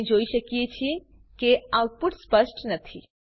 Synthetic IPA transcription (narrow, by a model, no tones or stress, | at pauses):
d͡ʒoiʃəkiet͡ʃʰi | keaʊʈ̚puʈspəsʈnət̪ʰi